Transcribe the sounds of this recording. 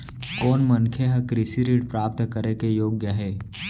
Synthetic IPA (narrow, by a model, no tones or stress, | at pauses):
koːnmənkʰjeɦɐkɾisiɾiːʈpɾaːp̚t̪kəɾekejoːɡjəɦɛː